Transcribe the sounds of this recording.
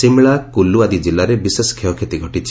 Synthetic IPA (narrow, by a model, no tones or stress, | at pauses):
simɭakuluad̪id͡ʒilːaɾebiseskʰeɔkʰet̪iɡʱɔʈit͡ʃʰi̥